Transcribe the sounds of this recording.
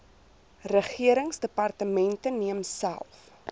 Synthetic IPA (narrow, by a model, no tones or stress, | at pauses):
rəχiəɾəŋsdəpɑrtəmɛntəniəmsæ̰lˠf